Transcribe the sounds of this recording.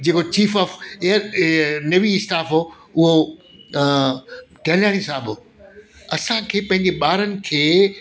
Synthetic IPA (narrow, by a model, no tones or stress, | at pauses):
d͡ʑeːkot͡ɕiːfɔːfeːəɾneʋiɪsʈaːfɦo | ʊɦo | ʈɛːljaːɽ̃isaːɦbo | ɐsãkʰeːpɐ̃ɦɪ̃ɲd͡ʑeɓaːɾənɪ̆kʰeː